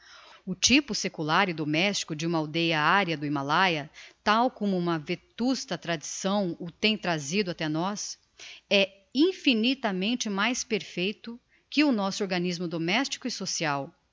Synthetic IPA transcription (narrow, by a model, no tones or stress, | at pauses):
ʊt͡ʃipʊsekulaɾɪd̪omɛst͡ʃi̥kʊd͡ʒɪũmɐawd̪ejɐaɾjɐd̪ʊimalajɐt̪awkõmʊũmɐvet̪ust̪ɐt̪ɾad͡ʒisɐ̃w̃ʊt̪ẽj̃t̪ɾazid̪ʊat̪ɛnɔs | ɛ | ĩfinit̪ɐmẽnt͡ʃɪmajspeɾfejt̪ʊ | kɪʊnɔsʊoɾɡɐnizmʊd̪omɛst͡ʃi̥kʊɪsosiaw